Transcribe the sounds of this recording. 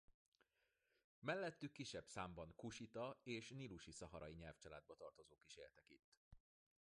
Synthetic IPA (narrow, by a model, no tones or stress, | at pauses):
mɛlːɛt̪ːykːiʃːɛbsaːmbɒŋkuʃit̪ɒeːʃniluʃisɒɦɒɾʔɒjiɲɛlft͡ʃɒla̰ːd̪̚bɒt̪ɒrt̪o̞zoːkiʃeːlt̪ɛkit̪ː